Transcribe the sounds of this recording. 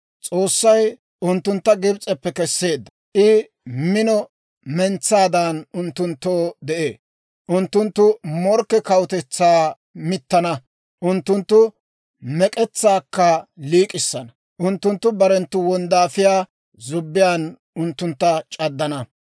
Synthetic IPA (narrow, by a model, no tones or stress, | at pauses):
t͡sʼo̞ːsːɐj | ʊnt̪ːʊnt̪ːɐɡɪbt͡sʼɛpːɛkɛsːe̞ːd̪ːɐ̥ʔɪ | mɪnɔ | mɛnt͡sːaːd̪anʊnt̪ːʊnt̪ːoːd̪ɛʔeː | ʔʊnt̪ːʊnt̪ːʊmɔɾkːɛkɐwʊt̪ɛt͡sːaː | mɪt̪ːɐnɐ | ʔʊnt̪ːʊnt̪ːʊ | mɛkʼɛt͡sːaːkːɐliːkʼɪsːɐnɐ | ʔʊnt̪ːʊnt̪ːʊbɐɾɛnt̪ːʊwɔnd̪aːfɪjaː | zʊbːɪjaːn | ʊnt̪ːʊnt̪ːɐt͡ʃʼɐd̪ːɐnɐ